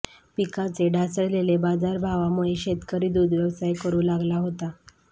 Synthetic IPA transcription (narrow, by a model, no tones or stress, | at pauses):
pikat͡seɖʱasəɭlelebad͡zaɾbʱaʋamuɭeɕet̪kəɾiːd̪uːd̪ʋjəʋsajkəɾũːlaɡlaɦot̪a